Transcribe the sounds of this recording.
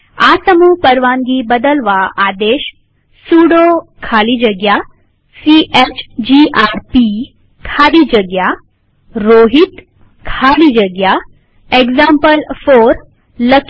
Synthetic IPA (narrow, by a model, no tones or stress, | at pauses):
asəmupəɾʋaːŋɡibəd̪əlʋaaːd̪eːʃ | suːɽokʰaːlid͡ʒəɡja | siʔet͡ʃd͡ʑiʔaɾpi | kʰaːd̪id͡ʒəɡja | ɾoːɦit̪ | kʰaːlid͡ʒəɡja | eɡzampəlfoɾ | lək